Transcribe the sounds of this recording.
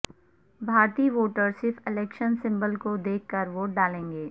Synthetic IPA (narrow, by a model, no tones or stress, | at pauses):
bʱaːɾt̪iːʋoːʈəɾsɪɾfɪlɛːkʃənsɪ̃mbəlkod̪eːkʰːəɾʋoːʈ̚ɖaːlẽːŋɡeː